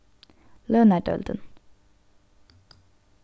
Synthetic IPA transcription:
lœːnæɖœ̰ld̪ə̰n

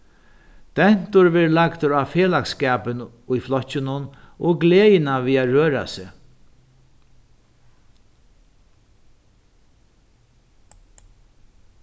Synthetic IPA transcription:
d̪̥ɛn̥t̪ʊɹʋɛɾlakt̪ʊɾaːfeːlakskɛːpɪn | ʊjflɔcːɪnʊn | ɔɡleːjɪnaviːaɾøːɾa̰sɪ

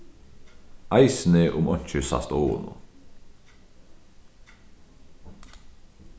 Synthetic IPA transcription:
ʔɑɪsn̩eʔʊmɔnçəsɑ̰st̪oːʊ̰nʊ̰

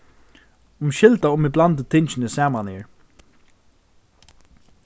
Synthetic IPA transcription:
ʊmʃɪlt̪aʊmiblant̪ɪt̪ʰɪnt͡ʃɪnɪsɛːmanhɪːɹ

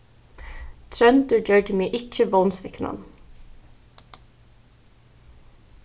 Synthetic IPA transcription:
t̪ʰɹœnd̪əd͡ʒœɖəmiːʔɪt͡ʃəʋɔnsʋɪknɑ̰n

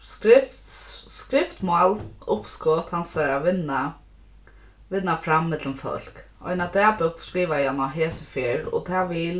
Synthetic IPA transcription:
skɾɪft̪skɾɪft̪malʊpskɔt̪hansaɾaʋɪnːa | ʋɪnːafɾamːɛt̪ləmfœ̰l̥k | ɔ̰jnad̪ɛːpʏk̚t̪skɾiːʋajanaɦɛːsɪfɪːɾɔ̰t̪ʰaːʋiːl

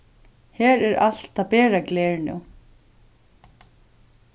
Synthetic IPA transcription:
hɛːɾɛɾal̥t̪apɛːɾaɡlɛːɹnʊ̰

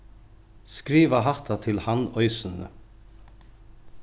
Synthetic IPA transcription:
skɾiːvaɦaht̪at̪ʰɪlhanœʏsʏnə̰

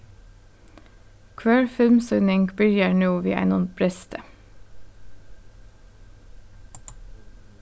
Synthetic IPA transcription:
kʰʋæːɹfɪlmsœnɪŋɡbʏɾjəɳuːʋḭːʔæ̰ɪnɔnbʰɾɛst̪ʰə

